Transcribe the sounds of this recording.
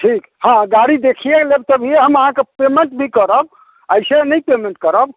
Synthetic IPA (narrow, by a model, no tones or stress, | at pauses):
ʈʰik | hãɡaɽid̪ekʰijelebt̪əbʱijeɦəməɦãkepemeɳʈbʱikəɾəb̚ | əjsenəjpemẽɳʈkəɾəb